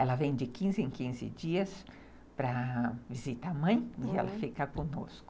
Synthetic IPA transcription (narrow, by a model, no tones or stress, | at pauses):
ɛlɐvẽj̃d͡ʒɪkĩzɪẽŋkĩzɪ̰d͡ʒiɐs | pɾɐvizit̪amɐ̃j̃ɪɛlɐfikɐkõno̰skʊ̥